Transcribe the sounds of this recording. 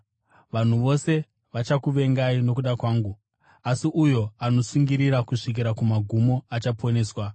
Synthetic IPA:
ʋan̤uʋo̞se̞ | ʋat͡ʃakuʋe̞ŋɡaino̞k̬uɗakwaːŋɡu | asiʔujo̞ano̞suŋɡiɾiɾakuʂik̬iɾakumaɡʱumo̞at͡ʃapʰo̞ne̞ːswa

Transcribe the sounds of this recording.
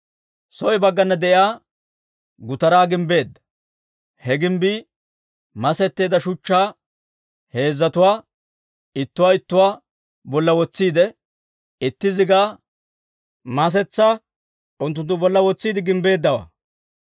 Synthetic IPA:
sɔʔɪbɐɡːɐnːɐd̪ɛʔɪaː | ɡʊt̪ɐɾaːɡɪmbe̞ːd̪ːɐ̥ | hɛɡɪmbi | mɐsɛt̪ːe̞ːd̪ɐʃʊt͡ʃːaː | he̞ːzːɐt̪ʊwaː | ɪt̪ːʊwaːɪt̪ːʊwaː | bɔlːɐwɔt͡sːiːd̪ɛ | ɪt̪ːɪzɪɡaː | mɐs̬ɛt͡sːa | ʊnt̪̬ːʊnt̪ːʊbɔlːɐwɔt͡sːiːd̪ɪɡɪmbe̞ːd̪ːɐwa̰ː

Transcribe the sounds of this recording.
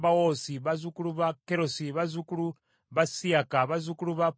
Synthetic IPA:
bawosiβazukuluβakeɾosiβazukulu | βasiakaβazukuluβa

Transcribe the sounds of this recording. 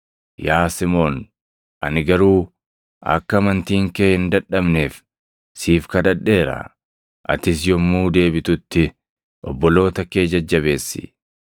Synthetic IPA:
jaːsɪmoːn | ʔɐ̰nɪɡɐɾuː | ʔɐ̰kːɐmɐnt̪iːŋkeːhɪnd̪ɐᶑɐbneːf | siːfkɐd̪ɐᶑːe̞ːɾɐ̰ | ʔɐ̰t̪ɪs̬jɔmːuːd̪e̞ːbɪt̪ʊt̪ːɪ | ʔɔbːɔlo̞ːt̪ɐkeːd͡ʒɐd͡ʒːɐβe̞ːsːɪ̥̰

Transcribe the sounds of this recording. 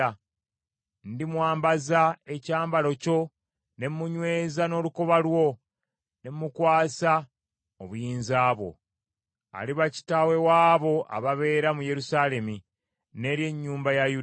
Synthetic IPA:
a | ndimwaːmbazae̞caːmbalo̞co̞ | ne̞mmuɲwe̞ːzano̞ːluko̞βalwo̞ | ne̞mmukwaːsa | oβujiːnzaːβo̞̰ | a̰liβaci̥tawe̞waːβo̞ʔa̰βaβe̞ːɾamuje̞ɾusaːle̞mi | ne̞ːɾje̞ɲːuːmbajaju

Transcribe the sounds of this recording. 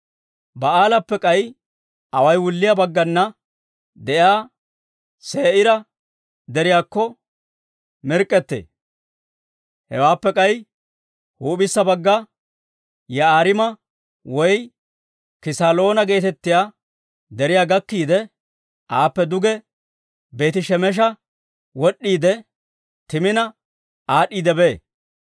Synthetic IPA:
bɐaːlɐpːɛkʼɐj | ʔɐwɐjwʊlːɪjabɐɡːɐnːɐ | d̪ɛjaː | seːʔɪɾɐ | d̪ɛɾɪjaːkːɔ | mɪɾkʼːɛt̪ːḛː | hɛ̰waːpːɛkʼɐj | huːbɪsːɐbɐɡːɐ | jɐaːɾɪmɐ | wɔj | kɪsalo̞ːnɐɡe̞ːt̪ɛt̪ːɪjaː | d̪ɛɾɪjaːɡɐkːiːd̪ɛ | ʔaːpːɛd̪ʊɡɛ | be̞ːt̪ɪʃɛmɛʃ̬ɐ | wɔɗːiːd̪ɛ | t̪ɪmɪnɐ | ʔaːɗːiːd̪ɛbeː

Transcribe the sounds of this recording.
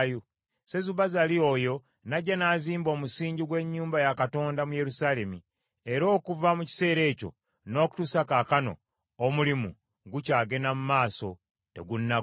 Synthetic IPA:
ju | se̞zuβazalioːjo̞ | naɟanaːziːmbo̞ːmusiːɲɟiɡwe̞ɲːuːmbajakato̞ːndamuje̞ɾusaːle̞mi | e̞ɾo̞ːkuvamuci̥se̞ːɾe̞ːco̞̰ | no̞ːku̥tusakaːkano̞̰ː | mulimu | ɡucaːɡe̞namumaːso̞ | te̞̰ɡunːa

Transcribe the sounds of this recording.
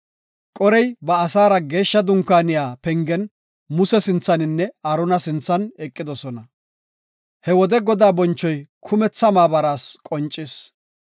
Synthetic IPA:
kʼɔɾɛjbɐːsaːɾɐɡe̞ːʃːɐd̪ʊŋkːaːnɪjaːpɛŋɡɛn | mʊsɛsɪnt͡sːɐnɪnːɛɐɾɔnɐsɪnt͡sːɐnɛkʼːɪd̪ɔsɔnɐ | hɛwɔd̪ɛɡɔd̪aːbɔnt͡ʃːɔjkʰʊmɛt͡sːɐmaːbɐɾaːskʼɔnt͡ʃʼːɪs

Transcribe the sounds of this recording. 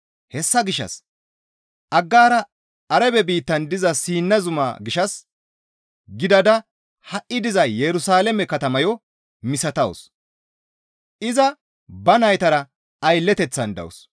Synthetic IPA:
hɛsːɐɡɪʃɐ̰s | ʔɐɡːaːɾɐ | ɐɾɛbɛbiːt̪ːɐnd̪ɪzɐsiːnːɐzʊma̰ːɡɪʃɐs | ɡɪd̪ɐd̪ɐ | hɐʔːɪd̪ɪzɐjɛɾʊsaːlɛmɛkɐt̪ɐmɐjɔ | mɪsɐt̪ɐw̰s | ɪzɐ | bɐnɐjt̪ɐɾɐ | ɐjlːɛt̪ɛt͡sːɐnd̪ɐ̰wɔ̰s

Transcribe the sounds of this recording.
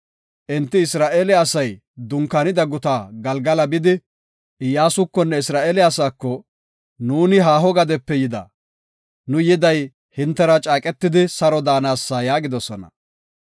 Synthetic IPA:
ʔɪnt̪ːɪɪsɾaːʔeːlɛɐsɐj | d̪ʊŋkːanɪd̪ɐɡʊt̪aːɡɐlɡɐlɐbɪd̪ɪ | ɪjaːsʊkːɔnːɛɪsɾaːʔeːlɛɐsaːkːɔ | nuːnɪɦaːɦɔɡɐd̪ɛpːɛjɪd̪ɐ̰ | nʊjɪd̪ɐj | hɪnt̪ːɛɾɐt͡ʃʼaːkʼɛt̪ːɪd̪ɪsɐɾɔd̪aːnaːsːajaːɡɪd̪ɔsɔnɐ̰

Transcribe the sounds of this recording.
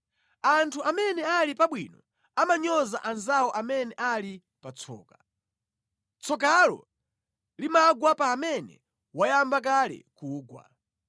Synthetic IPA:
antʰuamɛnɛalipaɓwḭːnɔ | amaɲɔza̰ʔanzawɔʔamɛnɛʔali | pat͡sʰɔ̰ːka | t͡sʰɔk̬alɔ̰ | limaɡwapaːmɛnɛ̰ | wajambak̬alɛ̰kuːɡwa̰

